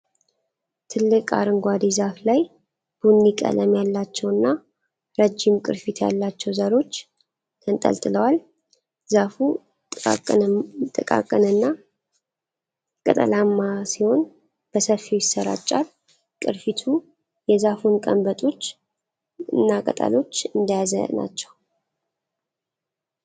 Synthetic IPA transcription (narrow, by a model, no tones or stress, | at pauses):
t̪ʰɨlːɨkʼa̰ɾɨŋɡʷad̪izaflaj | b̥unːikʼə̰ləmjalːat͡ʃːɛwɨnːa | ɾəd͡ʒimkʼɨ̰ɾfit̪ʰja̰lːat͡ʃːɛwzəɾo̞t͡ʃː | t̪ʰənt̪ʼə̰lt̪ʼɨləwal | zafu | t̪ʼɨkʼa̰kʼːənɨnːa | kʼət̪ʼə̰lamːasiho̞n | b̥əsəfːiwjɪsːəɾa̰t͡ʃʼːal | kʼɨɾfit̪ʰu | jɛzafunkʼə̰mbət̪ʼo̞t͡ʃː | ɨ̰nːakʼə̰t̪ʼə̰lo̞t͡ʃːɨnd̪ajazə̰na̰t͡ʃːɛw